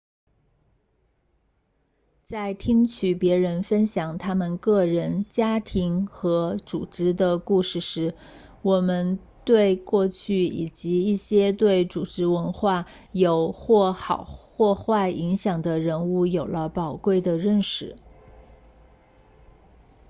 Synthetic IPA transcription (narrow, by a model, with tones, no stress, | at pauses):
t͡sa˥˩ɪt̪ʰi˥ŋt͡ɕʰy˨˩pjɛ˧˥ɻə˧˥nfə˥nɕjɑ˨˩ŋt̪ʰa˥mə˨nkɤ˥˩ɻə˧˥nt͡ɕja˥t̪ʰi˧˥ŋxɤ˧˥ʈ͡ʂṵ˨˩ʈ͡ʂɻ̩˧˥d̪ə˨ku˥˧ʂɻ̩˥˩ʂɻ̩˧˥ | wɔ˨˩mə˧˥n | t̪we˥˧ɪkwɔ˥˧t͡ɕʰy˥˩ḭ˨˩t͡ɕi˧˥i˥˩ɕjɛ˥t̪we˥˩ɪʈ͡ʂu˨˩ʈ͡ʂɻ̩˧˥wə˧˥nxwa˥˩ | jo˨˩ʊxwɔ˥˩xɑ˨˩ʊxwɔ˥˧xwa˥˩ɪʔi˧˥ŋɕjɑ˨˩ŋd̪ə˦ɻə˧˥nu˥˩jo˨˩ʊlə˦pɑ˨˩ʊkwe˥˩ɪd̪ə˩ɻə˥˧nʂɻ̩˥˩